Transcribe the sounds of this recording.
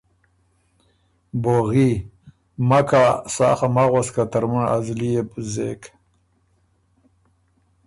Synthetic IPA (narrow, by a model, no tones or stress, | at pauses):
boɣi | makasa̰ːχamaɣwaskat̪aɾmuɳa̰zlijepzek